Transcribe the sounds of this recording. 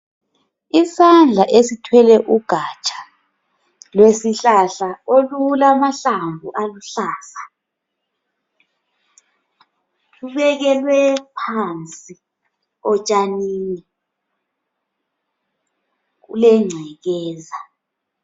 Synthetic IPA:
isand͡ɮʱaʔesitʰwɛlɛʔuɡ̥ʱat͡ʃʼḁ | lwesiɬaɬaolulamaɬambʱuʔaluɬaːsa | kuβɛɣɛlwɛpʰant͡sʼi | ɔt͡ʃʼaniːni | ɣṵlɛŋ͡ǀʱɛɣɛːza

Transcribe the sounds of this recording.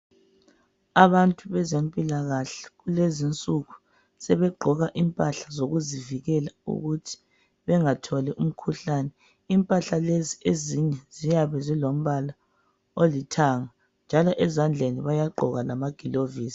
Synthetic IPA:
aβantʼuβɛzempʼilaɣaɬɛ̥ɣulezint͡sʼuɣu | sɛβɛɡ͡ǃʱɔɣaʔimpʼaɬazoɣuziviɣɛlaṵɣutʰi̥ | βɛŋatʰɔlɛʔum̩kʰuɬaːnɛ | impʼaɬalezieziɲɛzijaβɛzilom̩βala | olitʰaŋa | nd͡ʒʱalɔʔɛzand͡ɮʱeniβajaɡ͡ǃʱɔɣalamaɡ̥ʱiloviːsi̥

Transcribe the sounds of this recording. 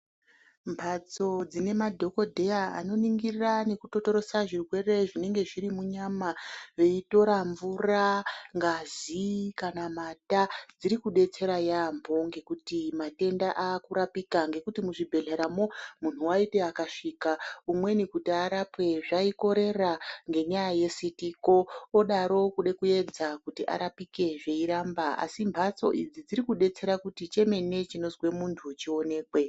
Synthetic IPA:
mbʰʱat͡so̞d͡zine̞madʱo̞ko̞dʱe̞jaa̰no̞niŋɡirrane̞kuto̞to̞ɾo̞saʐirwe̞re̞ʐine̞ŋɡe̞ʐiɾimuɲamaʋe̞ito̞ɾaɱvuraŋɡazikanamatad͡ziɾikuɗe̞t͡se̞ɾajambʱo̞ŋɡe̞kutimate̞ndaʔaːkuɾapikaŋɡe̞kutimuʐibʱe̞ɮeɾamo̞mun̤uwaite̞akaʂiːkaumwe̞nikutiaɾapwe̞ʐaiko̞ɾe̞raŋɡe̞ɲajaje̞sitiko̞ːɗaɾo̞kuɗekuje̞d͡zakutiʔa̰ɾapike̞ʐe̞iɾambaa̰simbʱat͡so̞̰ʔid͡zid͡ziɾikuɗe̞t͡se̞ɾakutit͡ʃe̞me̞ne̞t͡ʃino̞zwe̞muntʰut͡ʃio̞ne̞ːkwe̞

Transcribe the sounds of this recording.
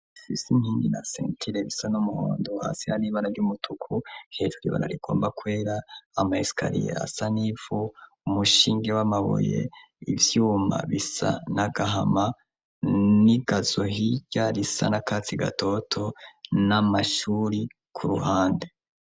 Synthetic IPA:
ifisimhiːndinasḛːntʰiɾeβisanumuho̰ːndoha̰ːsihaɾiβaɾavɟumutʰukʰuhe̞ʒuɾḭβa̰ɾa̰ɾiɡ̥o̞ːmbakwe̞ːɾaːmaisi̥ka̰ɾḭjḛa̰sanivu | umuʃiːŋɡewamaβo̰jḛ | ivjuːma̰βisa̰naɡaɦama | niɡazohiɟaɾisa̰nakaːt͡siɡa̰tʰo̞tʰo̞namaʃuːɾi | kʰuɾuhaːnde

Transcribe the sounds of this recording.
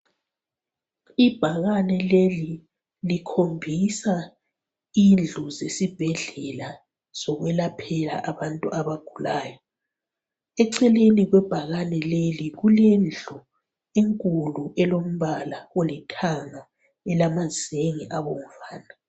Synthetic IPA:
ib̥ʱaɣanɛleli | likʰombʱisa | ind͡ɮʱɔzesib̥ʱɛɮɛla | z̥ɔɣwɛlapʰɛla̰ʔaβantʼuʔaβaɡ̥ʱulaːjɔ | ɛǀɛleniɣwɛb̥ʱaɣanɛleliɣulɛnd͡ɮʱɔ | eŋkʼuluʔɛlom̩βalaolitʰaŋa | ɛlamazeŋḭʔaβoŋ̩faːna

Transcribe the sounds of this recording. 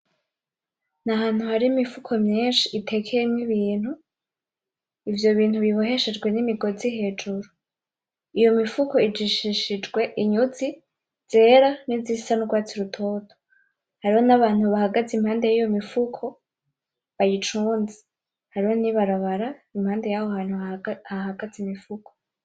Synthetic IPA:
naɦaːnhuhaɾiimifukʰo̞mɲeːnʃiʔːtʰe̞kʰejemŋiβiːn̥hu | ivjo̞βiːnhuβiβoɦe̞ʃed͡ʒɡwe̞nimiɡo̞ziɦe̞ːd͡ʒuɾu | ijo̞mifuko̞id͡ʒiʃiʃid͡ʒɡwe̞ʔiɲuzi | z̥e̞ːɾanizisanuɡwaːt͡siɾutʰoːtʰo̥ | haɾiho̞naβaːn̥huβahaɡazimhaːnde̞jijo̞mifukʰo̞ | βajit͡ʃuːnzi̥ | haɾiho̞niβaɾaβaɾaimhaːnde̞jaβohaːn̥huhaɦaɡ̥azimifukʰo

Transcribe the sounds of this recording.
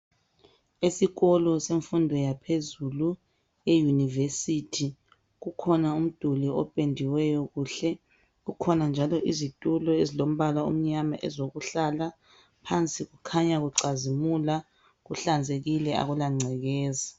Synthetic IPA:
esiɣɔlɔseɱfundʱɔjapʰezulu | ejunivesitʰi | ɣukʰɔnaum̩d̥ʱuliɔpʼendʱiwɛjɔɣuːɬɛ | ɣukʰɔnand͡ʒʱalɔʔizitʼulɔezilom̩βalaṵm̩ɲamaʔɛzoɣuɬala | pʰant͡sʼiɣukʰaɲaɣuǀazimula | ɣuɬand͡zʱeɣilɛa̰ɣulaŋ͡ǀʱɛɣɛːza

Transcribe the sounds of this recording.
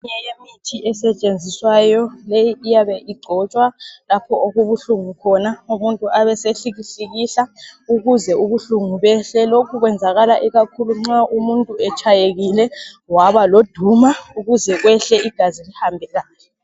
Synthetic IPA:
ɲɛjemitʰiʔɛsɛt͡ʃʼend͡zʱiswajɔlejiʔijaβɛʔiɡ͡ǀʱɔt͡ʃʼwalapʰɔoɣuβuɬuŋukʰɔnaumuntʼuaβɛseɬiɣiɬiɣiɬauɣuzɛuβuɬuŋuβɛɬɛlokʰuɣwɛnd͡zʱaɣalaʔiɣakʰuluŋ͡ǀaʔumuntʼuɛt͡ʃʼʰajeɣilɛ | waβalod̥ʱumauɣuzɛɣwɛɬɛiɡ̥ʱazilihambʱɛɣaːlɛ

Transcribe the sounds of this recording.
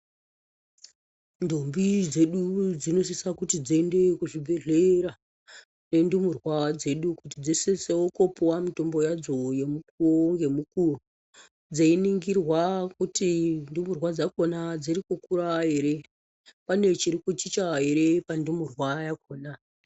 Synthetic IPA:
ndombid͡ze̞ɗud͡zino̞s̬isakutid͡ziende̞kuʐibʱe̞ɮeɾa | ne̞ndumurwad͡ze̞ɗukutid͡ziseseuko̞powamuto̞mbo̞jad͡zo̞je̞mukuoŋɡe̞mukuo | d͡zainiŋɡirwakutindumurwad͡zakonad͡zirikukuɾaɦe̞ɾe̞ | pane̞t͡ʃiɾikut͡ʃit͡ʃaɦe̞ɾe̞pandumurwajakoːna

